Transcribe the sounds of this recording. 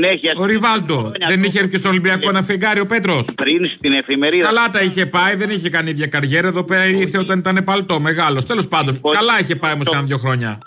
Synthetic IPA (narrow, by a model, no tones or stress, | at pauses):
eoɾivɐld̪o̞ðe̞niçeɾcest̪olimbiɐkoenɐfeɡɐɾio̞pe̞t̪ɾo̞spɾinst̪inefimeɾikɐlɐt̪ɐiçe̞pɐiðe̞niçe̞kɐniiðʝɐkɐɾʝeɾɐe̞ðo̞peɾɐiɾθeot̪ɐnit̪ɐne̞pɐlt̪o̞me̞ɣɐlo̞st̪e̞lo̞spɐnd̪o̞nkɐlɐiçe̞pɐiomoskɐnðjo̞xɾo̞ɲɐ̰